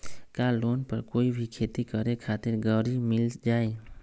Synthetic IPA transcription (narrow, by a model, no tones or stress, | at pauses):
kaloːnpəɾkoːibʱikʰeːt̪ikəɾekʰat̪ɪɾɡəɾimɪld͡ʒaːe